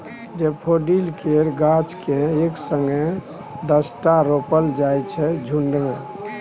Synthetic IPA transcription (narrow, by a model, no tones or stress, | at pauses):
d͡ʒepʰoɖilkeɾɡat͡ʃkẽeksəŋɡe | d̪əsʈaɾopəld͡ʒajt͡ʃʰɛd͡ʒʱuɳɖme